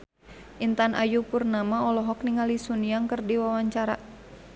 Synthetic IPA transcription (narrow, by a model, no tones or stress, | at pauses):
ʔint̪anʔa̰jupurnamaɔlɔɦɔk̚niŋalisunijaŋkərdiwawaɲt͡ʃaɾa